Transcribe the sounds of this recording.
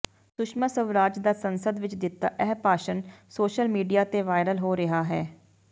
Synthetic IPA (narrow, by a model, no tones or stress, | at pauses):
sʊʃmasəʋɾaːd͡ʒd̪aːsənsəd̪ʋɪt͡ʃd̪ɪt̪ːaːʔɛɦpaːʃənsoːʃəlmiːɖijaːt̪eːʋaːɪɾəlɦoːɾɪɦaːɦɛː